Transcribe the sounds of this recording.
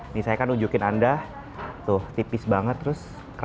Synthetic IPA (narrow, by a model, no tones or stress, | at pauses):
nisajakanud͡ʒukɪnanda | t̪ʊht̪ipɪsbaŋət̪ːɾʊs | k